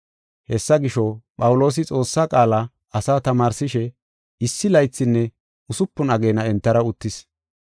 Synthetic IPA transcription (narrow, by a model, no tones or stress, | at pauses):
hɛsːɐɡɪʃɔpʼɐwʊlo̞ːs̬ɪt͡sʼo̞ːsːakʼaːlɐ | ɐsaːt̪ɐmaːɾsɪʃɛ | ɪsːɪlɐjt͡sːɪnːɛ | ʊsʊpːʊnɐɡe̞ːnɐɛnt̪ːɐɾɐʊt̪ːɪs